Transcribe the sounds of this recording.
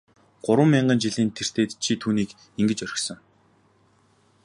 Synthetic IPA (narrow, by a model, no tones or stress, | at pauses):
ɢ̥ʊɾwə̆mːiɴɢə̆nt͡ɕiɮiːnt̪ʰer̥t̪eːt̪t͡ɕʰit̪ʰuːniːk | iŋɡɘ̆t͡ɕœɾʲɪ̆xsɞ̆ŋ